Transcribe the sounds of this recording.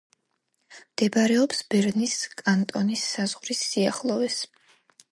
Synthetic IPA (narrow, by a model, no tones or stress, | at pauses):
md̪̥ɛbaɾɛɔpsb̥ɛɾniskʼant̪ʼɔnisːaz̥ʁɾisːiaχlˠɔɛs